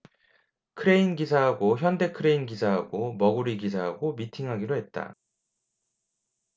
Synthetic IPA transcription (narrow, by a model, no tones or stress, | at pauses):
kʰɯɾe̞inɡisʰaɦaɡoçjʌnde̞kʰɯɾe̞inɡisʰaɦaɡomʌɡuɾiɡis̬ʰaɦaɡomitʰiŋɦaɡiɾoɦe̞t̚t͈a̰